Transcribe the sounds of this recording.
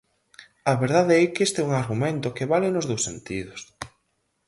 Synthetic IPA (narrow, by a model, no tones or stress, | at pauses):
ɐβeɾðaðeɛkest̪ɛuŋaɾɣumẽnt̪ʊkeβalɪnʊzðowsent̪iðʊs